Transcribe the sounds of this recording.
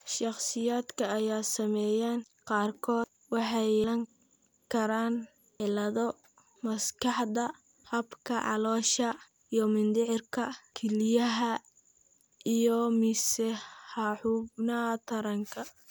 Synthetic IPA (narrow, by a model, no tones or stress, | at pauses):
ʃɑχsɪjaːd̪kʰɐːjaːsɐmɛːjaːn | qɑːrkʰɔːd̪ | wɑħɑjlɐŋ | kʰɐɾaːn | ʕɪlɐðɔ | mɐskʰɑħdɐ | hɐbkʰɐʕɑ̰lɔːʃɐ | ijɔmɪnd̪ɪʕɪrkʰɐkʰɛlɪjɐɦɐ | ijɔmɪsɛhɑħuːbnɐt̪ʰɐɾɐŋkʰɐ